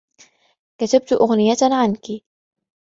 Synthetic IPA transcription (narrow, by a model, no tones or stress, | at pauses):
kat̪ab̚t̪ʔʊɣnɪjaʕanki